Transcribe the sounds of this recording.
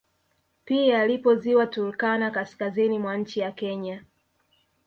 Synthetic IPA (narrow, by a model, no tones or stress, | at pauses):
piaalipɔziwatulkanakaskazinimwaɲ̩t͡ʃijakɛɲa